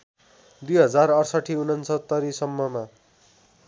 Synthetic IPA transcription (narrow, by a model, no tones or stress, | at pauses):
d̪ujɦʌd͡zarʌrsʌʈʰiunʌnt͡sʰʌt̪ːʌɾisʌmːʌma